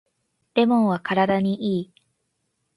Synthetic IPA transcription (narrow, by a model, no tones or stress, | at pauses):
de̞mõɰ̃βakaɾad̪aɲ̟iʔiː